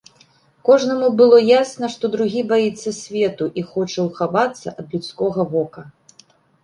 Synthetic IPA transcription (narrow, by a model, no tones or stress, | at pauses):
kɔʐnɐmubɨlˠɔjasnɐʂt̪ɔd̪ɾuɣʲibajit̪sːɐsʲvʲɛt̪uʔixɔt͡ʂɐwxavat̪sːɐʔɐd̪lʲut̪skɔɣɐvɔkɐ